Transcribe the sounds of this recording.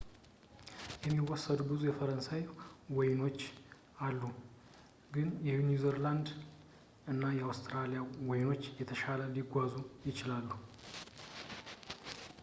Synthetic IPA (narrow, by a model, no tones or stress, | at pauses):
jɛmːiwɔsːəd̪bɨzʼujɛfəɾənsajwɔjno̞t͡ʃː | alːu | ɡɨnjɛjunizəɾland̪ | ɨnːajɛawst̪ʰɾalijawɔjno̞t͡ʃːjɛt̪ʰəʃaləliɡʷazujɪt͡ʃɪlalːu